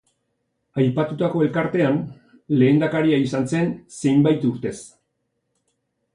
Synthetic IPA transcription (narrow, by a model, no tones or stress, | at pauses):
ajpat̪ut̪ako̞e̞lkaɾt̪e̞an | le̞ːnd̪akaɾiaisanse̞nse̞jmbajt̪uɾt̪e̞s